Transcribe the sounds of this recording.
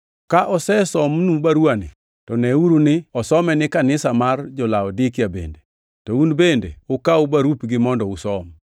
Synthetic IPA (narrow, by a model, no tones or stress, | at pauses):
kaʔɔsɛsɔmnubaɾwanɪ̰ | tɔnɛuɾunɪɔsɔmɛnɪkanɪsamard͡ʒɔlaɔdɪkjabḛnde | tɔunbendḛʊkaʊbaɾupɡɪmɔndɔusɔm